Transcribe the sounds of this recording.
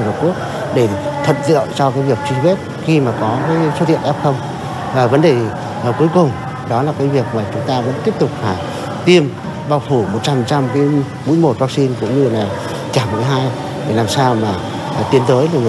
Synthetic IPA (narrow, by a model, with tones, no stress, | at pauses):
lə˨˩ku˦˥ək̚ | ɗe˧˩t̪ʰə̰˧˨mzə̰ː˧˨jt͡ɕɔ˧kaː˨˦jvi˨˩ək̚t͡ɕi˧ze˦˥t̚xi˧maː˨˩kɔ˨˦kaː˨˦jso˦t̪ḭ˧˨ənʔɛ˦˥p̚xə˧wŋ͡m | vaː˨˩və˨˦nɗeː˧˩˨ | ku˨˦əjkʊ˨˩ŋ͡m | ɗɔ˨˦laː˨˩kaː˨˦jvi˨˩ək̚maː˨˩t͡ɕʊ˨˦ŋ͡mt̪aː˧və̰˧˥nt̪i˦˥əp̚t̪ʊ˨˩k͡p̚faː˨˩ | t̪i˧əm | ɓaː˧wfu˧˩mo˨˩t̚t͡ɕa˧˨˩t͡ɕa˧mki˨˦ | mṵ˧˥˦jmo˨˩t̚vaː˦˧k̚si˧nkʊ̰˧˥wŋ͡mɲɨ˧laː˨˩ | t͡ɕaː˧˩ma̰˧˩˦ɦaː˧j | a˨˩laː˨˩msaː˧wmaː˨˩˨ | t̪i˧ənt̪əː˨˦jlaː˨˩ŋɨ˨˩